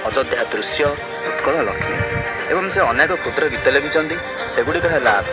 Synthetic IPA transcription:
ɔd͡ʒɔd̪ʱjad̪ɾusjɔ | ut̪kɔɭɔlɔ̰kʰina̰ | ebɔŋseɔnekɔkʰut̪ɾɔɡit̪ɔleɡit͡ʃʰɔnt̪i | seɡuɽikɔɾʰala

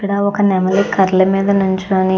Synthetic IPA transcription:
iɽaɔkɐnɛmɐlikɐɾlɐmiːd̪ɐnuɲt͡ʃoːni

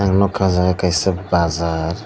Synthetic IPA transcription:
aŋnɔkʰazaɡakajsəpbazaɾ

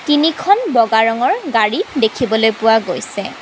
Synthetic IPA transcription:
tinikʰɔnbɔɡaɹɔŋɔɹɡaɹidekʰibɔlojpʊwaɡojsɛ̰

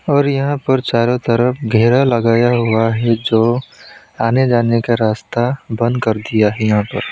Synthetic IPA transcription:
ɔːɾjɐɦãpəɾt͡ʃaːɾot̪əɾəfɡʱɛːɾalɐɡaːjaɦuaɦɛd͡ʒoː | aːned͡ʒaːnekaɾaːst̪abə̃nd̪kɐɾd̪ijaɦɛjɐɦãpə̰ɾ

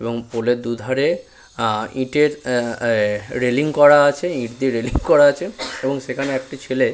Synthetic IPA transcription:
eboŋpoled̪ud̪ʱaɾe | ĩʈeɾ | ɾeliŋkɔɾaat͡ɕʰeĩʈd̪iɾeliŋkɔɾaat͡ɕʰeeboŋʃekʰaneɛk̚ʈit͡ɕʰele

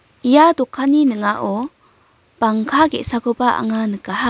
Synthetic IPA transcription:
ijadɔkʰːaninɯŋaʔɔ | b̥aŋkʰaɡḛʔsakʰɯbaʔa̰ŋanɯkaɦa

